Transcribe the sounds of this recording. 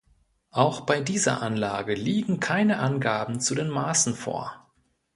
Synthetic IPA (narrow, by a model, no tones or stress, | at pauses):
ʔaʊxb̥aɪdiːzɐ̰ʔanlaːɡəliːɡŋ̩kʰaɪnəʔanɡaːbm̩t͡sudeːnmaːsn̩fo̰ːɐ